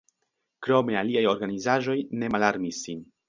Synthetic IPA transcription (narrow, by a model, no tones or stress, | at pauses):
kɾo̞me̞aliajo̞ɾɡanizaʒo̞jne̞malaɾmisːin